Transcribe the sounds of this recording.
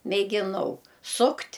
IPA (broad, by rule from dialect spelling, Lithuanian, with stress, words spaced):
mʲeːɡʲɪˈnɐʊ ˈsʊktʲ